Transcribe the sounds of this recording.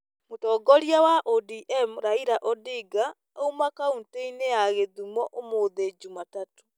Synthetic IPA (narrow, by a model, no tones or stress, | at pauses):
motɔːɡɔɾjawaʔodiʔɛmɾaiɾaʔɔdiɡa | oumakaunteinejaɣeðumɔʔomoːðed͡ʒumatato̥